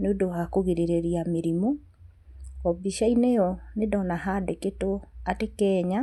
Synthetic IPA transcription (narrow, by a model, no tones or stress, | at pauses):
neondohakoɣiɾeɾeɾiameɾimo | ɔbiʃainɛjɔnedɔnaɦadeketoatekɛːɲa